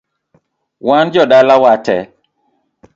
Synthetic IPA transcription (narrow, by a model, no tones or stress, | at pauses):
wand͡ʒɔɗalawatɛ